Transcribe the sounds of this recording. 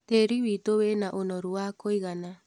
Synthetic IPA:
teɾiβiːtoβenaʔonɔɾuakʰojɣana

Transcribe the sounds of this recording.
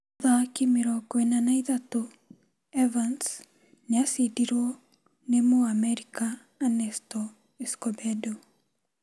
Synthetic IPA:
ðakimeɾɔɡwenanaiðato | ɛvans | nasidiɾɔ | nemoamɛɾikaː | nɛstɔ | ɛskɔbɛdo

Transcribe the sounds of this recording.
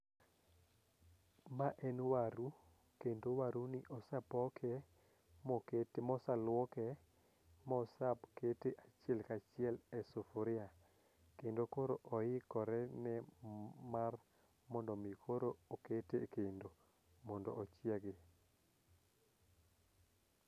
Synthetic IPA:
maʔɛnwaɾu | kendowaɾunɪʔɔsapɔkʰɛ | mɔktmɔsalwɔkɛ | mɔsapketeʔat͡ʃɪɛlkat͡ʃɪɛlɛsofoɾɪa | kendokoɾoʔɔɪkɔɾɛnɛ | mar | mɔndɔmikʰoɾooketekendo | mɔndɔ̰ːt͡ʃiaɡe

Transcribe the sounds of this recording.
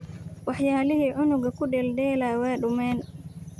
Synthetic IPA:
wɑħjaːlɪɦiːʕʊnʊɡɐkʰʊɖɛːlɖɛːlawɛːɖʊmɛːn

